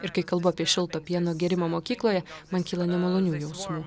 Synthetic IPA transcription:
ɪɾkɐɪkɐlˠbʊɐpʲiɛʃʲɪlˠt̪oːpʲiɛnoːɡʲɛɾʲɪmoːmoːkʲiːklˠoːjɛmɐnkʲiːlˠɐnʲɛmɐlˠoːnʲuːjɛʊsmuː

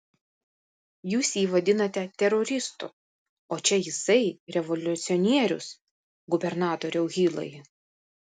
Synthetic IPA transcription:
juːsiːʋɐd̪ʲɪnɐt̪ʲɛt̪ʲɛɾɔɾʲɪst̪ṵ | oːt͡ʃʲɛjɪsɐɪɾʲɛʋɔlʲʊt̪sʲɪɔnʲiɛɾʲʊ̰s | ɡʊbʲɛɾnɑːt̪oːɾʲɛʊɣʲiːlˠɐ̰j

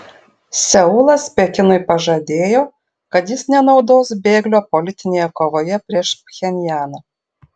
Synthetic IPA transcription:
sʲɛʊlˠɐspʲɛkʲɪnʊɪpɐʒɐd̪ʲeːjoː | kɐt̪jɪsnʲɛnɒʊd̪oːsbʲeːɡlʲoːpɔlʲɪt̪ʲɪnʲeːjɛkoːʋoːjɛpʲɾʲiɛʃpʲxʲɛnʲjæːnɐː

